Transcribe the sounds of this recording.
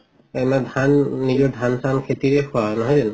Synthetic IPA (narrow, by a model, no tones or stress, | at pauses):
ɛmadʱanːizɔɹdʱansʰankʰetiɹɛkʰɔanɔɦɔjzɛn